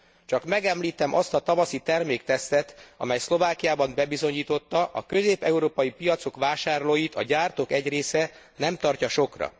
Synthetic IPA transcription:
t͡ʃɒkmɛɡɛmliːt̪ɛmʔɒst̪ɒt̪ɒvɒsit̪ɛrmeːkt̪ɛst̪ɛt̪ɒ̰mɛjslo̞vaːkijaːbɒmbɛbizo̞ɲiːt̪o̞t̪ːɒʔɒkø̞zeːpɛuɾoːpɒjipijɒt̪so̞kʋaːʃaːrloːjit̪ɒ̰ɟaːrt̪okɛɟreːsɛ | nɛmt̪ɒrcɒʃo̞krɒ̰

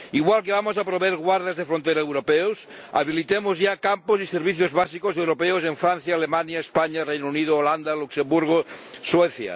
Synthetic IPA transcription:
iɣ̞walkeβamos̬apɾoβeɾɣwaɾð̞azðefɾont̪eɾaewɾopeos | a̰β̞ilit̪emozʝakamposiseɾβiθjozβasikosewɾopeoseɱfɾan̟θjaːlemanjaespaɲarejnouniðoːland̪aluksembuɾɣ̞osweθja̰

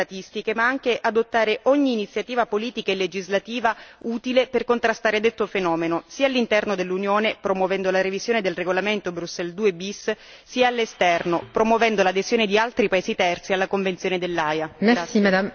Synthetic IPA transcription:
at̪ist̪ikemaaŋk̟eʔad̪ot̪ːaːɾeʔɔɲːiːnit̪sːjat̪iːvapoliːt̪ikaelːed͡ʒizlat̪iːvauːt̪ileperkont̪ɾast̪aːɾed̪et̪ːofenɔːmenosiːalːint̪ɛrnod̪elːunjoːnepɾomwovɛnd̪olaɾevizjoːned̪elreɡolament̪obɾusːɛld̪uːebisː | iːaːlːest̪ɛrnopɾomwovɛnd̪olad̪ezjoːned̪ialt̪ɾipaeːzit̪ɛrt̪sialːakoɱvent̪sjoːned̪elːajamaia

